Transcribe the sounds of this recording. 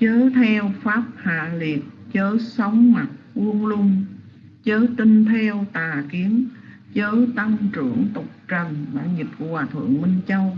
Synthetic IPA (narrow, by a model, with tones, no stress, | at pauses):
t͡ɕəː˨˦t̪ʰɛ˧wfaː˦˥p̚ha̰ː˧˨li˨˩ət̚t͡ɕəː˨˦sə˨˦wŋ͡mma˨˩t̚vu˧əŋlʊ˧ŋ͡m | t͡ɕəː˨˦t̪i˧ŋt̪ʰɛ˧wt̪aː˨˩ki˨˦ən | t͡ɕəː˨˦t̪a˧ŋt͡ɕɨ˧˩əŋt̪ʊ˨˩k͡p̚t͡ɕə˨˩nɓaː˧˩ɲi˨˩tp̚ku˧˩əkwaː˨˩t̪ʰɨ̰˧˩˨əŋmi˧ŋ̟t͡ɕə˧w